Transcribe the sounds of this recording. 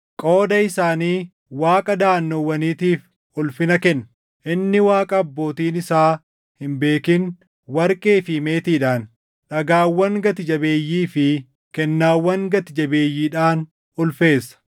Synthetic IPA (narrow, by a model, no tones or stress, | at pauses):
kʼo̞ːd̪ɐɪsaːniː | waːkʼɐd̪aːnːɔwːɐniːt̪iːf | ʊlfɪnɐkɛnːɐ | ʔɪnːɪwaːkʼɐːbːo̞ːt̪iːnɪsaː | hɪmbe̞ːkɪn | wɐɾkʼeːfɪme̞ːt̪iːᶑaːn | ᶑɐɡaːwːɐŋɡɐt̪ɪd͡ʒɐbe̞ːjːiːfɪ | kɛnːaːwːɐŋɡɐt̪ɪd͡ʒɐbe̞ːjːiːᶑaːn | ʊlfe̞ːsːɐ̥